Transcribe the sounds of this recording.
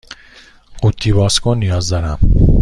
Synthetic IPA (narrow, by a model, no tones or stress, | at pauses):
qut̪ʰːiβɒskʰɔnijɒzd̪ɒɾæm